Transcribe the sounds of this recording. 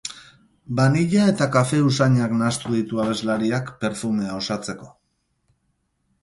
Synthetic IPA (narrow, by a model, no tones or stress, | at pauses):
baniʎae̞t̪akafe̞usaɲaknast̪uðit̪uaβe̞zlaɾiakpe̞ɾfume̞ao̞sat͡se̞ko̞̥